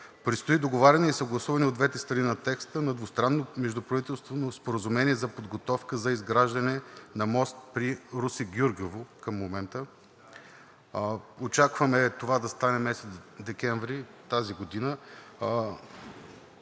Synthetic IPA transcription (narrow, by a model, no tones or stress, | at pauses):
pɾit̪st̪oid̪oɡovaɾʲɐnɛisɐɡlˠɐsuvɐniod̪vɛt̪ɛst̪ɾɐninɐt̪ɛkst̪ənɐd̪vʊst̪ɾanːomɛʒd̪ʊpɾɐvit̪ɛlˠst̪vonospoɾəzumɛniɛzɐpod̪ɡot̪ɔfkəzɐizɡɾaʒd̪ɐnɛnɐmɔst̪̚pɾiɾusiɡʲuɾɡovokɐmːomɛnt̪ə | ot͡ʃakvɐmɛt̪ovad̪ɐst̪anɛmɛsɛt̪d̪ɛkʲɛɱvɾit̪aziɡod̪inə